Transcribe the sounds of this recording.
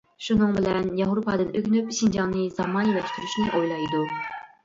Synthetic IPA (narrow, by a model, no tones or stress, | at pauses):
ʃunɨŋbɪlɛnjɑɦɾupʰɑd̪ɨnøkʲnypʃind͡ʒɑŋnɨzɑmɑnjelɛʃt̪yɾyʃnɪʔojlˠɑjd̪u